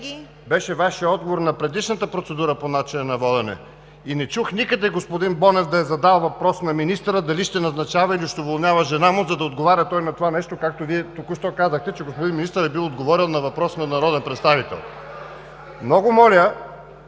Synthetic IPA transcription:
bɛʃɛvaʃijəɔd̪̚ɡovoɾnɐpɾɛd̪iʃnət̪əpɾot̪sɛd̪uɾəponat͡ʃinɐnɐvɔd̪ɛnɛ̰ | inɛt͡ʃuxnikəd̪ɛɡospod̪inbɔnɛvd̪ɐɛzɐd̪alˠvɐpɾɔsnɐminist̪əɾəd̪ɐliʃt̪ɛnɐznɐt͡ʃavɐiliʃt̪ɛvolˠnʲjavɐʒɛnamʊzɐd̪ɐod̪ɡovaɾʲɐt̪ɔjnɐt̪ovanɛʃt̪okak̚t̪oviɛt̪okuʃt̪ɔkazəxt̪ɛt͡ʃɛɡospod̪inminist̪əɾɛbilˠod̪ɡovɔɾʲilˠnɐvɐpɾɔsnɐnɐɾɔd̪ɛnpɾɛt̪st̪avit̪ɛ̰lˠ | mnɔɡʊmɔlʲə

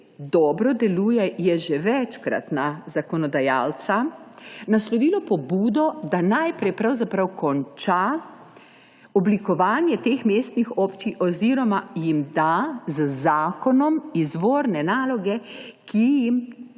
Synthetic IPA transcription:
d̪ɔbɾɔd̪ɛlujɛjɛʒɛʋɛt͡ʃkɾa̰t̪nazakɔnɔd̪ajaːlt̪sanaslɔʋiːlɔpɔbuːd̪ɔd̪anajpɾɛjpɾawzapɾawkɔnt͡ʃa | ɔblikɔʋaːnjɛt̪eːxmeːst̪nixɔːpt͡ʃiʔɔziɾɔmajimd̪azəzaːkɔnɔmizʋoːɾnɛnaːlɔɡɛkijim

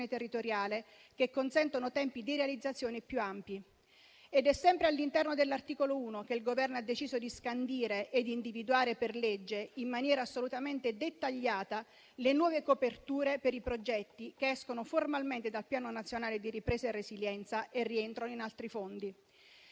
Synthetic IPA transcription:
net̪erːit̪oɾjaːle | kekːonsɛnt̪onot̪ɛmpid̪iɾealid̪zːat̪sːjoːnepjuampji | ed̪ɛsːɛmpɾealːint̪ɛrnod̪elːart̪iːkolouːnokeilɡovɛrnoad̪ːet͡ʃiːzod̪iskand̪iːɾeʔːd̪ind̪ivid̪uaːɾeperled͡ʒːeimːanjɛːɾaːsːolut̪ament̪ed̪et̪ːaʎːaːt̪a | lenwɔːvekopert̪uːɾepeɾipɾod͡ʒɛt̪ːik̟eɛskonoformalment̪ed̪alpjaːnonat̪sːjonaːled̪iɾipɾeːsaerːesiljɛnt̪saʔerːient̪ɾonoinalt̪ɾifond̪i

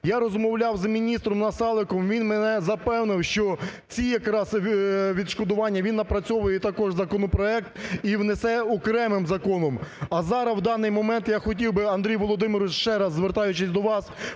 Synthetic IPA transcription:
jaɾɔzmɔwlʲɑwzmʲinʲist̪ɾɔmnɐsɑlˠɪkɔmʋʲinmenɛzɐpɛwnɪwʃt͡ʃɔ | t͡sʲijɐkɾɑzʋʲid̪ʃkɔd̪ʊʋɑnʲːɐʋʲinːɐpɾɐt͡sʲɔʋʊjɛt̪ɐkɔʒzɐkɔnɔpɾɔɛk̚t̪iwnesɛɔkɾɛmɪmzɐkɔnɔmɐzɑɾɐwd̪ɑnɪjmɔmɛnt̪jaxɔt̬ʲiwbɪɐnd̪ɾʲijʋɔlˠɔd̪ɪmɪɾʊʃt͡ʃɛɾɑzːʋert̪ɑjʊt͡ʃɪsʲd̪ɔʋɑs

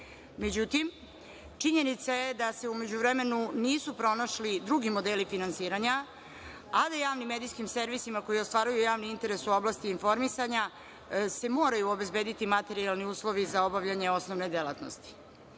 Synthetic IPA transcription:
me̞d͡ʑut̪im | t͡ʂiɲe̞nit̪sajed̪ase̞ume̞d͡ʑuʋɾeme̞nuniːsupɾo̞naʃlid̪ɾuɡimo̞d̪elifinansiːɾaɲa | ad̪ajaːʋnimːed̪ijskimse̞ɾʋisimako̞jio̞st̪ʋaːɾujujaːʋniint̪e̞ɾesuo̞blˠaːst̪iːnfo̞ɾmisaɲa | se̞mo̞ːɾajuobe̞zbe̞ːd̪it̪imat̪e̞ɾialˠniuːslˠo̞ʋizao̞baʋʎaɲe̞o̞snoʋne̞d̪ela̰t̪no̰st̪i̥

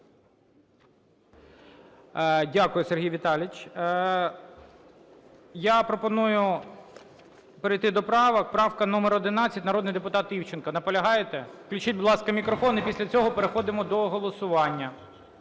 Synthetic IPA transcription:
dʲakʊjʊserɦʲijʋʲit̪ɑlʲɪt͡ʃʲ | japɾɔpɔnujʊ | peɾɪjt̪ɪd̪ɔpɾɑʋɐkpɾɑwkɐnɔmeɾɔd̪ɪnɑt͡sʲːɐtʲnɐɾɔd̪nɪjd̪epʊt̪ɑt̪ʲiwt͡ʃɪnkɐnɐpɔlʲɐɦɑjet̪eklʲʊt͡ʃit̚ʲbʊd̪ˠɑskɐmʲikɾɔfɔnipʲisʲlʲɐt͡sʲɔɦɔpeɾexɔd̪ɪmɔd̪ɔɦɔlˠɔsʊʋɑnʲːɐ

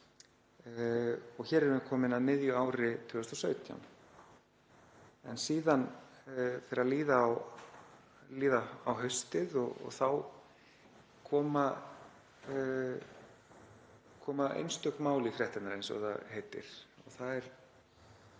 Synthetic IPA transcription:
ɔɣçɛːɾɛɾvɪkʰɔːmɪnaðmɪðjʏaːwɾɪt̪ʰʏʏst̪ɔsœːɥt̪ja̰m | ɛnsiːðan | feːɾaðliːðaw | liːðaawɦœɥst̪ɪðɔɣɔ̰θaw | kʰɔːma | kʰɔːmaʔḛjnst̪œkmaːwlɪfɾjɛht̪ɪnaɾejnsɔ̰ɣθa̰heːjt̪ɪ̰ɾ̥ɔɣθaðɛɾ̥

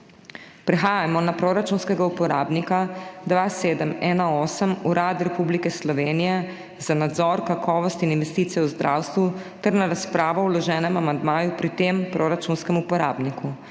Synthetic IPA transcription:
pɾɛxaːjamɔnapɾoɾat͡ʃunskɛɡaupɔɾaːbnikad̪ʋaːseːd̪əmɛːnaɔːsəmuɾad̪ɾɛpublikɛslɔʋeːnijɛ | zanad̪zɔɾkakʰɔːʋɔst̪ininʋɛst̪iːt̪sijɛuzd̪ɾʔaːwst̪ʋu | t̪ɛɾnaɾaspɾaːʋɔwlɔʒɛːnɛmamand̪maːjupɾit̪empɾoɾat͡ʃunskɛmupɔɾaːbniku

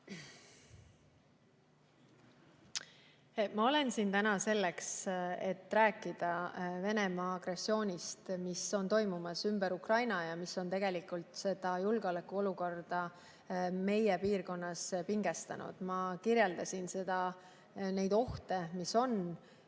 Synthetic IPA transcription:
mɑo̞le̞nsint̪ænɑse̞lːekse̞t̪ːræːkːˑid̪̥ɑve̞ne̞mɑːɡ̥re̞sːio̞ːnʲist̪miso̞nt̪o̞jmumɑsymb̥eɾukrɑjnɑjɑmisːo̞nt̪e̞ɡ̥e̞likˑult̪se̞d̪̥ɑjulɡ̥eolekːˑuo̞luko̞rd̪̥ɑ | me̞jepiːrko̞nːɑspiŋɡ̥e̞st̪ɑ̰nṵd̪̥mɑkirjeld̪ɑsʲinse̞d̪̥ɑ | ne̞jd̪̥o̞ht̪e̞miso̞n

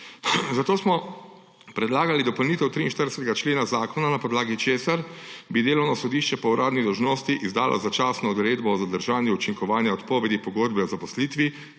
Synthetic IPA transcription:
zat̪oːsmɔ | pɾɛd̪laːɡalid̪ɔpɔwniːt̪ɛwt̪ɾiːnʃt̪əɾd̪ɛsɛt̪ɛɡat͡ʃleːnazaːkɔnanapɔd̪laːɡit͡ʃeːsaɾbid̪eːlɔwnɔsɔd̪iʃt͡ʃɛpɔuɾʔaːd̪nid̪ɔwʒnoːst̪iʔizd̪aːlʔɔ̰zat͡ʃaːsnɔːd̪ɾeːd̪bɔɔzad̪əɾʒaːnjuut͡ʃiŋkɔʋaːnjaɔt̪pɔːʋɛd̪ipɔɡoːd̪bɛɔzapɔsliːt̪ʋi

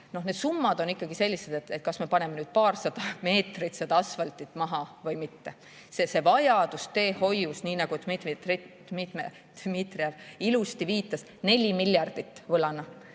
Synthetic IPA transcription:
no̞hne̞d̪̥sumːɑd̪o̞nikːˑɑɡise̞lʲːise̞d̪̥et̪ːet̪̚kɑsme̞pɑne̞menyːd̪̥̚pɑːrsɑd̪̥ɑme̞ːt̪rit̪sed̪̥ɑɑsfɑlt̪it̪ːˑmɑɦɑvɤjmit̪ːe̞ | sese̞vɑjɑd̪̥ust̪e̞ːho̞jːusniːnɑɡ̥ut̪ymit̪mit̪ri̥ | mit̪mḛ | t̪ymit̪riɑvilust̪iviːt̪ːˑɑs | ne̞lʲimilʲːjɑrd̪̥it̪ːˑvɤlɑnɑ

